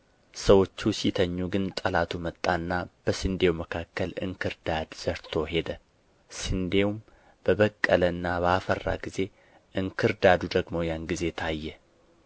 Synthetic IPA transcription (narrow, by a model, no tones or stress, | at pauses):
səwo̞t͡ʃːusit̪ʰəɲːuɡɨnt̪ʼəlat̪ʰumət̪ʼːanːab̥əsɨnd̪e̞wməkʰakːəlɨ̰ŋkʰɨɾd̪ad̪z̥əɾt̪ʰo̞ɦe̞d̪ə | sɨnd̪e̞wm | b̥əβəkʼːələɨnːabəafərːa̰ɡize̞ | ʔɨŋkʰɨɾd̪ad̪ud̪əɡmo̞janɡize̞t̪ʰajːɛ